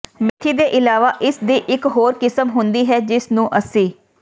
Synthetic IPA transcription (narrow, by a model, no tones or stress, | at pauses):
mɪt̪ʰːiːd̪eːʔɪlaːʋaːʔɪsd̪iːʔɪkɦoːɾkɪsəmɦʊnd̪iːɦɛːd͡ʒɪsnũːʔəsĩː